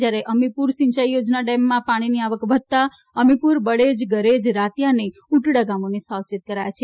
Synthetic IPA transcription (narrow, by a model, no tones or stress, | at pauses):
d͡ʒjaɾeʔəmipuɾʃɪ̃ɲt͡ʃajjod͡ʒnaɖɛmːãpaɽ̃iniaʋəkʋəd̪̚t̪a | əmipuɾbəɽed͡ʒɡəɾed͡ʒɾat̪janeuʈɽaɡamonesawt͡ʃit̪̚kəɾajat͡ʃʰe